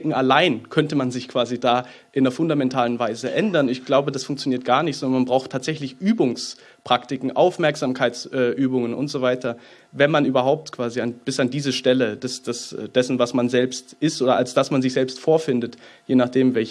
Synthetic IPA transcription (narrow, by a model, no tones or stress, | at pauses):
kŋ̩ʔalaɪnkʰœntəmanzɪçkv̥aːzidaː | ʔɪnɐfʊndamɛntʰaːlənvaɪzəʔɛndɐnɪçɡ̥laʊbədasfʊŋk̚t͡sjoniːɐt̚ɡ̥aːɐnɪçtzɔndɐnmanbʁaʊxtʰaːtz̥ɛçlɪçʔyːbʊŋs | pʁ̥aktɪkŋ̩ʔaʊfmɛɐkz̥aːmkʰaɪt͡sʔɛːʔyːbʊŋənʔʊ̰ntz̥ovaɪtʰɐ | vɛnmanʔyːbɐɦaʊp̚tkv̥aːzianb̥ɪsandiːzəʃtɛləd̥asd̥asɛ̰d̥ɛsn̩vasmanzɛlpstʔɪstʔoːdɐʔalsd̥asmanzɪçz̥ɛlpstfoːɐfɪndətjeːnaχd̥eːmvɛl